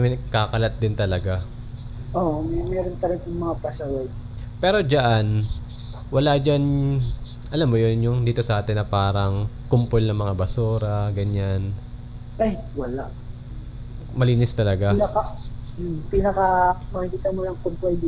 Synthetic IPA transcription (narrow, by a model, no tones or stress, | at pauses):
mɪnɐɡ̚kːakɐlɐt̪̚d̪ɪnt̪ɐlɐɡa | ʔoʔmɛmɛːɾont̪ɐlɐɡɐŋmɐŋapɐsawod̪̚pɛːɾo̞d͡ʒɐʔan | wɐlad͡ʒan | ʔɐlamːojonjʊŋd̪iːt̪o̞sɐʔaːt̪ɪnːɐpaːɾɐŋ | kʊmpolnɐŋmɐŋabɐsuːɾɐɡɐɲan | ʔɐj | wɐlaʔ | mɐliːnɪst̪ɐlɐɡanɐkɐ | pɪnɐkɐmɐkɪkiːt̪ɐnmolɐŋkʊmpo